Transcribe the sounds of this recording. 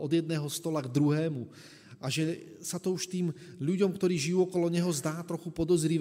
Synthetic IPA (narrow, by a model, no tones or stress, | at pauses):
ɔd̪jɛd̪̚nɛːɦɔst̪ɔlaɡd̪ɾuɦɛːmu | ʔaʒɛsat̪ɔuʃt̪iːmʎuɟɔmkt̪ɔɾiːʒijuːɔkɔlɔɲɛɦɔzd̪aːt̪ɾɔxupɔd̪ɔzɾiʋ